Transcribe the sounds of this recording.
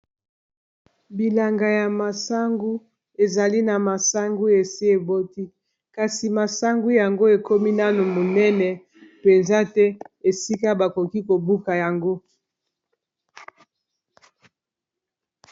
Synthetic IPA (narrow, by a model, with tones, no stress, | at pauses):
bi˨la˨ŋɡa˨ja˨ma˨sa˦ŋɡu˦ | e˨za˨li˦na˨ma˨sa˦ŋɡu˦e˨si˦e˨bo˦ti˦ | ka˨si˨ma˨sa˦ŋɡu˦ja˨ŋɡo˦e˨ko˦mi˦na˦nu˨mo˨nɛ˦nɛ˨ | pe˨nza˦tɛ˦e˨si˦ka˦ba˨ko˨ki˦ko˨bu˦ka˨ja˨ŋɡo˦